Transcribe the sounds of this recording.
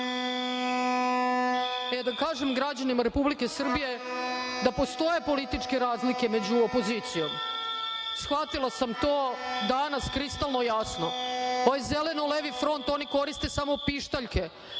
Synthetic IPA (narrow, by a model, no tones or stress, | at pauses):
ed̪akaːʒemɡɾad͡ʑanimaɾepublike̞sr̩bije̞d̪apo̞st̪o̞je̞po̞lit̪it͡ʃke̞ɾaːzlike̞me̞d͡ʑuopo̞ziːt̪sijo̞m | sxʋat̪ilˠasamt̪oːd̪anaskɾist̪alˠnojasno̞oʋajze̞le̞noleʋifɾo̞nt̪o̞niko̞ɾist̪e̞samo̞piʃt̪aʎke̞